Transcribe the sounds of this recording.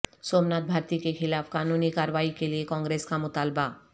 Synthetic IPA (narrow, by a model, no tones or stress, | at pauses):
somnat̪̚bʱaɾt̪ikekʰilapʰkanunikaɾwaikeliekɔŋɡɾeskamot̪alba